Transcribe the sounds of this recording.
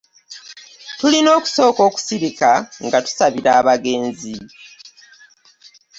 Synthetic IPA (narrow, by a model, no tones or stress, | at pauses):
tulino̞ːku̥so̞ːko̞ːku̥siβikaŋɡatu̥saβiɾaːβaɡe̞ːnzi